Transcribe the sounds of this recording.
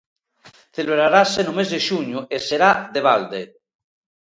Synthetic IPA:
θeleβɾaɾasenomezðeʃuɲuʔeseɾaðeβ̞ald̪e

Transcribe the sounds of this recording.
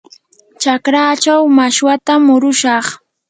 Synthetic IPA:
t͡ʃakɾaːt͡ʃawmaʃwat̪amʊɾʊʃɑχ

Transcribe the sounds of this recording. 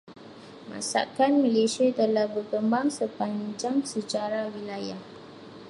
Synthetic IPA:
mã̰sa̰kanməlesiat̪əlahbərkəmbaŋsəpaɲd͡ʒaŋsət͡ʃaɾawilajah

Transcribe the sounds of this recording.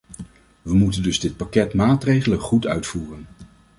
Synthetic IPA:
ʋəmutəndɵzdɪt̚pakɛtmaːtrejχələχutœ̰ɥtfuːrən

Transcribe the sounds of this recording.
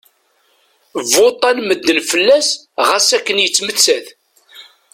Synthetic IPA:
vot̪ˤːælməd̪ːənfəlːæsʁæsækːənjət͡sːmət͡sːæθ

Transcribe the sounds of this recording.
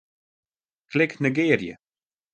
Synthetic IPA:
klɪknəɡeːrjə̰

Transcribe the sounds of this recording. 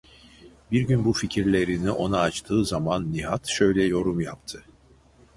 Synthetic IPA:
biɾɟynbuficʰiɾlʲe̞ɾiniʔo̞naːt͡ʃt̪ʰɯːzamanːiɦat̪ʃø̞jlʲɛjo̞ɾumjapt̪ʰɯ

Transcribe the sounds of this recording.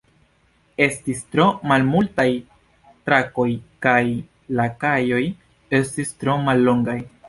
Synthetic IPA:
e̞stistɾo̞malmultaj | tɾako̞jkaj | lakajo̞j | e̞stistɾo̞malːo̞ŋɡaj

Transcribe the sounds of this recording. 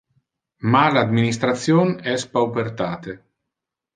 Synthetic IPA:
malad̪minist̪ɾat̪sjoːnɛspawpeɾt̪aːt̪e

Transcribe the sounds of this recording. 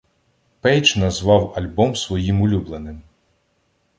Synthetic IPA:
pɛjt͡ʃnɐzʋɑwɐlʲbɔmsʋɔjimʊlʲublˠenɪm

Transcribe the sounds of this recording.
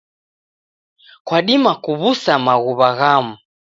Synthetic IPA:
kwaɗimakuβusamaɣuβaɣamu

